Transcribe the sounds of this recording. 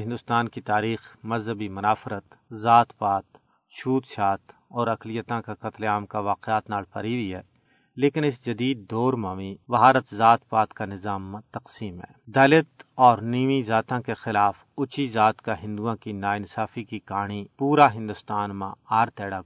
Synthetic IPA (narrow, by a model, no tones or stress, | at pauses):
ɦɪ̃nd̪ʊst̪aːnkit̪aːɾiːxmɐzɦəbimʊnaːfɾət̪zaːt̪paːt̪ | ʃuːt̪ʃaːt̪ɔːɾɐklɪjət̪ãkakɐt̪laːmkaʋaːqɪaːt̪naːlpɐ̰ɾiʋiɦɛː | leːkɪnɪsd͡ʒɐd̪iːd̪ːoːɾmaːʋibɐɦaːɾət̪zaːt̪paːt̪kanɪzaːmːãt̪ɐqsiːmɦɛ̰ːd̪ɐlɪt̪ɔːɾniːmizaːt̪ãkexɪlaːf | ʊt͡ʃizaːt̪kaɦɪ̃nd̪uãkinaːɪnsaːfikikaːɽ̃ipuːɾaɦɪ̃nd̪ʊst̪aːnmã̰aːɾt̪ɛːɽa